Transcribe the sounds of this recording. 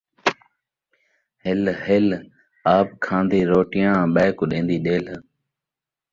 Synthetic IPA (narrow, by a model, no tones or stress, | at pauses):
hɪlhɪl | aːp̚kʰãːnd̪iːɾoːʈɪjãːɓaːɪkʊɗẽːnd̪iːɗeːl